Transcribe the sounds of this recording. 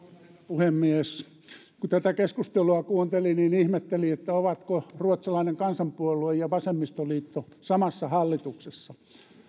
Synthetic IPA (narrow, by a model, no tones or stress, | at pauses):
uhemːies | kut̪æt̪ækeskust̪eluɑkuːnt̪elininihmet̪ːeliet̪ːæoʋɑt̪koruot̪sɑlɑineŋkɑnsɑmpuoluejjɑʋɑsemːist̪oliːt̪ːosɑmɑsːɑhɑlːit̪uksesːɑ